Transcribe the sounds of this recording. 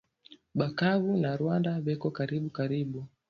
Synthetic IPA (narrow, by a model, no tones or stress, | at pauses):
ɓakavunaɾwandavɛkɔkaɾiɓukaɾiɓu